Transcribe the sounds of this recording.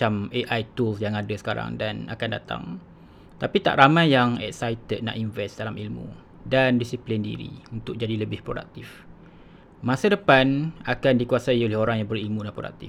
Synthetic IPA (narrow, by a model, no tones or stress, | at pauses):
ameʔajt̪ulsjaŋadasə̥kaɾa̰ŋdana̰kanda̰t̪a̰ŋ | t̪apit̪a̰ʔɾamãjjaŋɛ̰k̚sajt̪əd̪̚na̰ʔinvɛsdalamilmṵ̃ | dandisiplindḭɾḭunt̪ʊk̚d͡ʒadiləbɪhpɾoda̰k̚t̪if | mãsədəpanakandikuasaiolɛhoɾaŋjaŋbərilmũnãʔpɾoda̰k̚t̪i